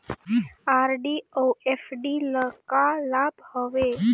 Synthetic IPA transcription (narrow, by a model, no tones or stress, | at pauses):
aɾɖioefɖiləkalabhəʋe